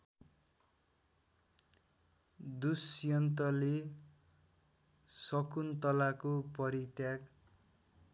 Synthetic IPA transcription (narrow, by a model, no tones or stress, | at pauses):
d̪usjʌnt̪ʌle | sʌkunt̪ʌlakopʌɾit̪jak